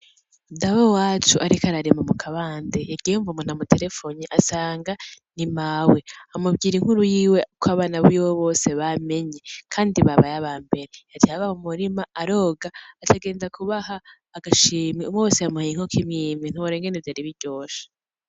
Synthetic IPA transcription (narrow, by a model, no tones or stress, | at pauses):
daβawat͡ʃuʔaɾikaɾaɾemamukʰaβaːndejaɾɡieuɱvumun̥hamute̞ɾe̞foniʔasaːŋɡanimaweamubɡiːɾiŋ̥huɾujiːwe̞ukʰwaβaːnaβiwoβo̞ːse̞βame̞ɲekʰaːndiβaβajaβaːmbe̞ɾeatihaβamumuɾimaːɾo̞ːɡaːtʰaɡe̞ːnzakʰuβahaː | ɡaʃiːmiumowoːsejamuhajiŋ̥hokʰimɲiːmin̥uwoɾeːŋɡenevjaɾiβiɾɟo̞ːʃḁ